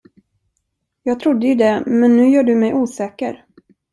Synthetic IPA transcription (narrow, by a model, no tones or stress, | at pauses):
jɑːɡ̚t̪ʰɾʊd̪ːəjɵd̪ɛmɛnːʉ̟ːjœːɖɵmɛjʔuːsɛːkəɾ